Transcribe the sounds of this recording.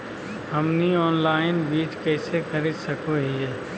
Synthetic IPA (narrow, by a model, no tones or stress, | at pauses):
ɦɐmniɔːnlaːɪnbiːt͡ʃkɛːsekɐɾesɐkoɦiɛː